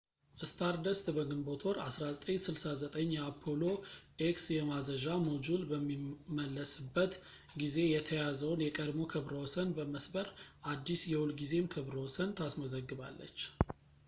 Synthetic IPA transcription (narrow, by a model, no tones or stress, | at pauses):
ʔɨst̪ʰaɾd̪əst̪ʼbəɡɨmbo̞t̪ʰo̞ɾa̰sɾazət̪ʼəɲsɨlsazət̪ʼəɲːɛapʰːo̞lo̞ʔeksjɛmazəʒamod͡ʒulbəmːiməlːəsɨbːət̪ | ɡize̞jɛt̪ʰəjazəwnjɛkʼəd̪mo̞kʰɨβɾəwɔsənbəməsbəɾʔad̪ːisjɛwulɡize̞mkʰɨβɾəwɔsənt̪ʰasməzəɡːɨβalːə̰t͡ʃː